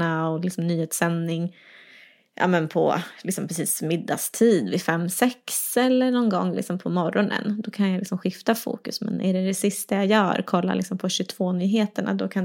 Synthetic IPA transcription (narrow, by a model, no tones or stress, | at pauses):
aɔlɪksɔmnyːhet̪sɛnːɪŋ | ʔa̰ːmɛnpʰɔ̰lɪksɔmpʰɾɛsiːsmɪd̪ːa̰st̪ʰiːd̪vɪfɛmːsɛksɛlːəɳɔnɡɔ̰ŋːlɪ̰ksɔmpʰɔmɔɾɔnə̰nd̪ɔkʰanjalɪksɔmɧɪft̪afṵːkɵsmɛ̰nʔæɖɛd̪ɛsɪst̪ajajœːɾkʰɔlːa̰lɪksɔmpʰɔɕɵt̪ʰv̥oːnyːɦeːt̪əɳa̰d̪ɔkʰan